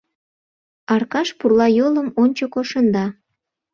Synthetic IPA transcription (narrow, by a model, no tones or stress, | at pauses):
ɑrkɑʃpurlɑjoləmonʲt͡ɕəkoʃənd̪ɑ